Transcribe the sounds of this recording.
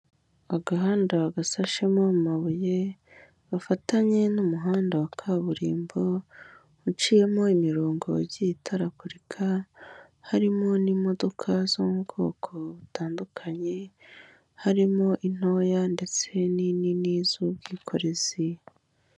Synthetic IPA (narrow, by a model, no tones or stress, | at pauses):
aɡaɦaːndaaɡasaʃemo̞mumaβuje̞ | βafataɲe̞numuɦaːndawakʰaβuɾiːmbo | ut͡ʃije̞mo̞imiɾo̞ːŋɡo̞̰ɟitʰaɾakuɾikʰa | haɾimo̞nimo̞do̞kʰazoɡo̞̰ːkʰo̞βutaːndukʰaɲe̞ | haɾimo̞ʔin̥o̞jande̞t͡se̞nininizubɡiːkʰo̞ɾe̞z̥i